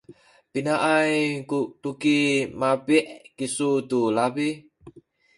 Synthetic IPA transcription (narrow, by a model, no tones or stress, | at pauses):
pinaʔaikuʔʈukimapiʔkisut̪ulabi